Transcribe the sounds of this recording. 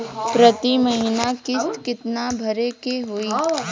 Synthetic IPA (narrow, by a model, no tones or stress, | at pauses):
pɾɐt̪imɐɦinakɪst̪kɪt̪nabʱɐɾekeɦoiː